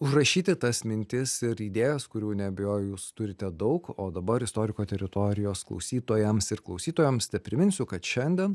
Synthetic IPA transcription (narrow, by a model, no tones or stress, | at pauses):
ʊʒrɐʃʲiːt̪ʲɪt̪ɐsmʲɪnʲt̪ʲɪsɪɾiːd̪ʲeːjɛskʊɾʲuːnʲɛɐbʲɛjoːjʊjuːst̪ʊɾʲɪt̪ʲɛd̪ɐʊkoːd̪ɐbɐɾɪst̪oːɾʲɪkoːt̪ʲɛɾʲɪt̪oːɾʲɪjoːsklˠɐ̰ʊsʲiːt̪oːjɛmsɪɾklˠɐʊsʲiːt̪oːjɛmsnʲɛpʲɾʲɪmʲɪnʲsʲʊkɐt̪ʃʲɛnʲd̪ʲɛn